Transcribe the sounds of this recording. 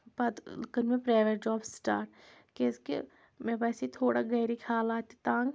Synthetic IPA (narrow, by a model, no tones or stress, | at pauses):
pɐd̪lkənmẽpɾaːʋeʈ̚d͡ʒɔːbsʈa̰ːɾʈ | keskḛ | mẽpɛːsit̪ʰoːɽaɡɛːɾikʰaːlaːt̪it̪ãːŋɡ